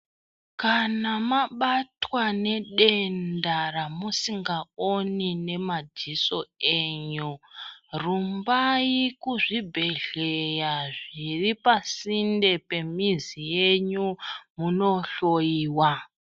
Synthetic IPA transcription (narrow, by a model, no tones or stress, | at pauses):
kanamaɓatwane̞ɗe̞ndaɾamusiŋɡaonine̞mad͡ziso̞eːɲurumbajikuʐibʱe̞ɮe̞jaʐiripasinde̞pe̞mizijeɲumuno̞ɬo̞jiːwa